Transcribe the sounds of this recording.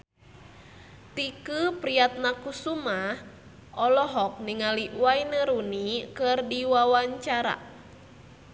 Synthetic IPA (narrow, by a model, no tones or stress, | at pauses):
t̪ikɨpɾiat̪̚nakusumah | ʔɔlɔɦɔk̚niŋaliwainəɾunikɨrdiwawaɲt͡ʃaɾa̰